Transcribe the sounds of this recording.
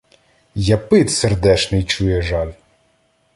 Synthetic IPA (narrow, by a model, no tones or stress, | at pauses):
jɐpɪt̪serd̪ɛʃnɪjt͡ʃujɛʒɑlʲ